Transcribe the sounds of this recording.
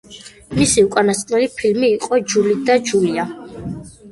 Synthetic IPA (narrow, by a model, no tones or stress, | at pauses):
misiukʼanast̪qʼnɛlipʰilmiːqʼɔd͡ʒulid̪ad͡ʒulia